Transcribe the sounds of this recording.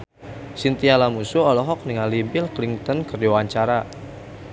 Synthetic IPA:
sint̪ialamusuɔlɔɦɔk̚niŋalibɪlkliŋt̪ɔnkərdiwaɲt͡ʃaɾa

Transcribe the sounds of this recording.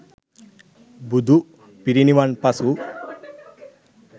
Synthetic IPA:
bud̪uʔ | piɾinimanpasu

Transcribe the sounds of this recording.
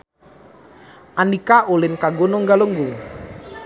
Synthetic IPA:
ʔanikaʔulɪnkaɡonoŋɡaləŋɡuŋ

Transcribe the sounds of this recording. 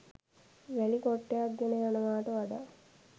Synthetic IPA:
ʋælikoʈːejak̚ɡenəjanəʋaːʈəʋaɖa

